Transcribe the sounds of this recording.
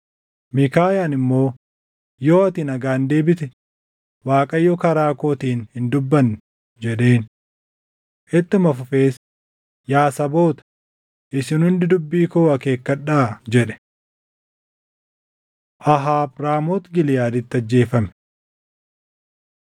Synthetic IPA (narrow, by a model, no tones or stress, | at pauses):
mɪkaːjaːnɪmːo̞ː | jo̞ːɐt̪inɐɡaːnd̪e̞ːbɪt̪ɛ | waːkʼɐjːɔːkɐɾaːkoːt̪iːnhɪnd̪ʊbːɐn | d͡ʒɛᶑe̞ːn | ʔɛt̪ːɪmɐfʊfe̞ːs | jaːsɐbo̞ːt̪ɐ̥ | ʔɪsɪnhʊnd̪ɪd̪ʊbːiːkoːɐke̞ːkːɐᶑaːd͡ʒɛᶑɛ̥ | ʔɐɦaːbɾaːmoːt̪ɡɪlɪjaːd̪ɪt̪ːɐd͡ʒːe̞ːfɐmɛ